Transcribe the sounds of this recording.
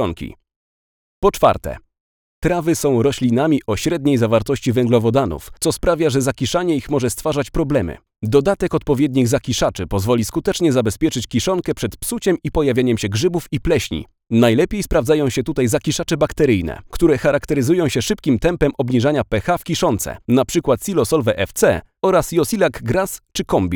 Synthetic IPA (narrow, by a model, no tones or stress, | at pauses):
ɔŋkʲḭ | pɔt͡ʂfa̰ɾt̪ɛ̰ | t̪ɾavɘsɔ̃w̃ɾɔɕlʲinamʲiʔɔɕɾɛd̪ɲejzavaɾt̪ɔɕt͡ɕivɛŋɡlɔvɔd̪anṵft̪sɔspɾavʲjaʐɛzakʲiʂaɲɛixmɔʐɛst̪faʐat͡ɕpɾɔblɛmɘ̰ | d̪ɔd̪at̪ɛkɔt̪̚pɔvʲjɛd̪ɲiɣzakʲiʂat͡ʂɘpɔzvɔlʲiskut̪ɛt͡ʂɲɛzabɛspʲjɛt͡ʂɘt͡ɕkʲiʂɔŋkɛpʂɛt̪psut͡ɕɛmipɔjavʲaɲɛmɕɛɡʐɘbufiplɛɕɲḭ | najlɛpʲjejspɾavd̪ajɔ̃w̃ɕɛt̪ut̪ajzakʲiʂat͡ʂɛbakt̪ɛɾɘjnɛ̰kt̪uɾɛxaɾakt̪ɛɾɘzujɔ̃w̃ɕɛʂɘp̚kʲimt̪ɛmpɛmʔɔbɲiʐaɲapɛxafkʲiʂɔnt̪sɛ̰napʂɘkwat̪sʲilɔsɔlvɛʔɛft̪sɛ̰ | ɔɾasjɔsʲilakɡɾast͡ʂɘkɔmbʲi